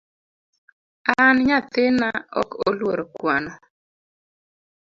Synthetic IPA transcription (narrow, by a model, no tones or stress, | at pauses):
anɲat̪ɪnaɔ̰kolwoɾokwanɔ